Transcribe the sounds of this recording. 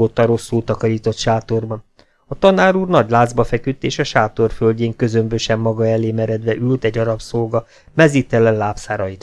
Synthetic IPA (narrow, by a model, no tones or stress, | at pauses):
ot̪ːɒɾo̞sːult̪ɒkɒɾiːt̪o̞t̪ʃaːt̪orbɒ | ɒt̪ɒnaːɾuːrnɒɟlaːd̪zbɒfɛkyt̪ːeːʃɒʃaːt̪o̞rfølɟeːŋkø̞zø̞mbøʃɛmːɒɡɒɛleːmɛɾɛd̪ʋɛʔylt̪ɛɟːɒɾɒpsolɡɒ | mɛzit̪ɛlɛnlaːpsaːɾɒjit̪